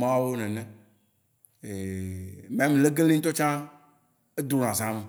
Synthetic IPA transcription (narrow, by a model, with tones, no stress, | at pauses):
mã˦wo˦nɛ̃˨nɛ̃˨ | e˨mẽ˦mĩ˨le˦ɡe˦lĩ˦ŋ̩˦t̪o˦t͡ʃã˦ | e˦d̪o˨nã˨zã˨˦mẽ˨